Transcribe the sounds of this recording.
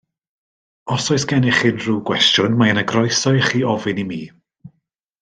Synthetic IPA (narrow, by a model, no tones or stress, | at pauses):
ɔsɔɨsɡ̥ɛnɪχɪnruːɡwɛstjʊnmaənəɡrɔjsɔɨχiːɔvɨnimiː